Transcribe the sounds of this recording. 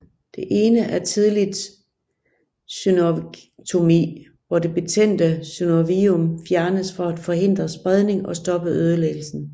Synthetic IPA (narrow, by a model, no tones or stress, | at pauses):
d̥e̝ʔe̝ːnəʔæɐt͡sʰið̞ˠlid̥ | synot͡sʰo̝mḭ | ʋɒd̥e̝b̥e̝t͡sʰen̰d̥əsynoʋiɔmfjæɐnəsfɒ̽æd̥fɒ̽ɦe̝n̰d̥ʁɐsb̥ʁað̞ˠne̝ŋɒ̽sd̥ɒ̽b̥əøð̞ˠəleɡ̥l̩sn̩